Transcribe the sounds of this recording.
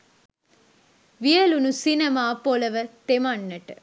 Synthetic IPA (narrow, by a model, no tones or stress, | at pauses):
ʋijɐlunusinɐmaːpolɐʋɐt̪emaɳːɐʈ